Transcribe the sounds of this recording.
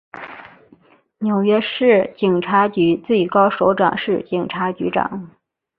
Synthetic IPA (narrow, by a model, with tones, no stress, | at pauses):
njo˨˩ʊɥɛ˥ʂɻ̩˥˩t͡ɕi˨˩ŋʈ͡ʂʰa˧˥t͡ɕy˧˥t͡sɹe˥˩ɪkɑ˥ʊʂo˧˥ʊʈ͡ʂwɑ̰˨˩ŋʂɻ̩˥˩t͡ɕi˨˩ŋʈ͡ʂʰa˧˥t͡ɕy̰˧˥ʈ͡ʂɑ̰˨˩˦ŋ